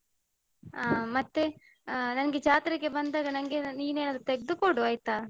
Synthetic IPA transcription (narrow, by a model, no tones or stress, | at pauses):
aːmɐt̪ːe | nɐnɐɡed͡ʒaːt̪ɾɐkːebɐnd̪aːɡɐnɐŋɡeniːneːnad̪t̪eɡ̚d̪ukoɽuɐjt̪aː